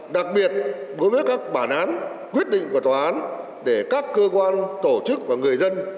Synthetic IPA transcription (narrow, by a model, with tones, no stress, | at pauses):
ɗa˨˩k̚ɓi˨˩ət̚ɗo˨˦jvəː˨˦jkaː˦˥k̚ɓaː˧˩nʔaː˨˦n | kwi˦˥ət̚ɗḭ˧˨ŋku˧˩ə˩t̪waː˨˩ʔaː˨˦n | ɗe˧˩kaː˦˥kːəː˧kwaː˧nt̪o˧˩t͡ɕɨ˦˥k̚vaː˨˩ŋɨ˨˩əjzə˧n